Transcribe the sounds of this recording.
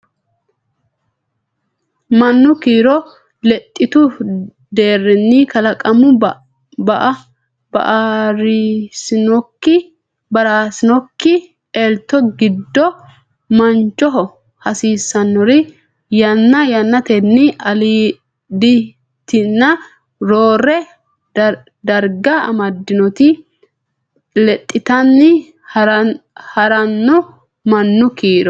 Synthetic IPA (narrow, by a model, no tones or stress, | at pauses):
mɐnːʊkiːɾɔ | lɛt̪ʼːɪt̪ʊ | d̪e̞ːrːɛnːɪkɐlɐkʼɐmʊ | bɐʔɐ | bɐ̰ʔaɾɪsɪnɔkːɪ | bɐɾaːsɪnɔkːɪ | elt̪ːɔɡɪd̪ːɔ | mɐnt͡ʃːɔɦɔ | hɐsiːsːɐnːɔɾɪ | jɐnːɐjɐnːɐt̪ɛnːɪɐliː | d̪ɪ | t̪ːɪnːɐ | ɾoːrɛ | d̪ɐɾɡɐɐ̰mɐd̪ːɪnɔt̪ɪ | lɛt̪ʼːɪt̪ɐnːɪ | hɐɾɐnːɔ | mɐnːʊkiːɾɔ